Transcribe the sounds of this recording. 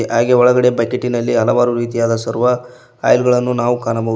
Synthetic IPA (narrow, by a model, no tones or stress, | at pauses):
ɦaːɡeɔɭɐɡɐɽe̞bɐjkeʈːinɐlːiɦɐlɐʋaːɾuɾiːt̪ijaːd̪ɐsɐɾuʋɐ | a̰ːjlɡɐɭɐnːunaːʋukaːnɐmɐ